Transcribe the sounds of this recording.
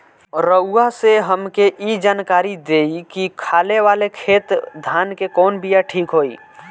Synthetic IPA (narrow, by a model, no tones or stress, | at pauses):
ɾəʊaseɦəmkeʔid͡ʒaːnkaːɾid̪eikikʰaːleʋaːlekʰeːt̪d̪ʱaːnkekɔːnbʱijaʈʰiːkɦoi